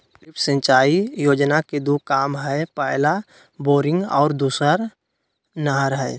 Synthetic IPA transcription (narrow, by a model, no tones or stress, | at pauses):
ɪpsə̃t͡ʃaːijoːd͡ʒnaked̪ukaːmɦɛpɛɪla | boːɾɪ̃ŋɡɔːɾd̪uːsəɾ | nəɦəɾɦɛː